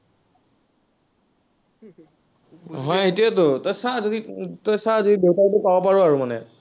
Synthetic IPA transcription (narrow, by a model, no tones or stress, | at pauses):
ɦɔjetiɛtʊtɔjsazoditɔjsazodidewtaɹtʊpabɔpaɹuaɹumanɛ̰